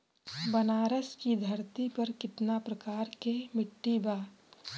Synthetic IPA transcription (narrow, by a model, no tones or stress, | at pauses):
bɐnaːɾəskid̪ʱɐɾt̪ipɐɾkɪt̪napɾɐkaːɾkemɪʈːibaː